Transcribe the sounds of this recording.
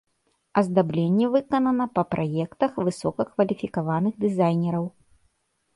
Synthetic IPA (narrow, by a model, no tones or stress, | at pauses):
ɐzd̪ablʲenʲːɛvɨkɐnɐnɐpɐpɾʔajɛkt̪ɐxvɨsɔkɐkvɐlʲifʲikavanɨɣd̪ɨzajnʲɛɾɐw